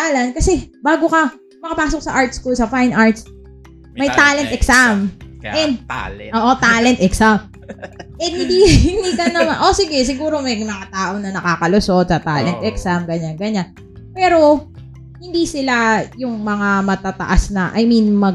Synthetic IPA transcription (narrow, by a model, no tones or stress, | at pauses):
lɐn̚kɐsɛbaːɡokɐ | mɐkɐpaːsok̚sɐʔaɹt̪̚skosɐfajnʔaɹt̪̚s | mɐjt̪aːlɛnt̪ʔɛksamʔɛ | oːʔot̪aːlɛnt̪ʔɛksam | ʔɛhɪnd̪iɪnd̪ikɐnɐmanʔo̞sɪɡɛsɪɡuːɾo̞mɐjmɐŋat̪aːʔo̞nɐnɐkaːkɐloso̞d̪̚sɐt̪a̰ːlɛnt̪ʔɛksamɡɐɲanɡɐɲan | pɛːɾo̞ | hɪnd̪isɪlajʊŋmɐŋamɐt̪at̪ɐ̰ʔasnɐʔɐ̰jminmɐɡ